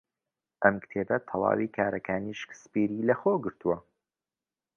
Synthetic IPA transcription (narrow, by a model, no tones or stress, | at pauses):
ʔɐmkt̪ʰeːbɐt̪ʰɑlˠɑ̰ːwiːkʰaːɾɐkʰaːniʃkspiːɾiːlɐxoːɡɨɾt̪uwɐ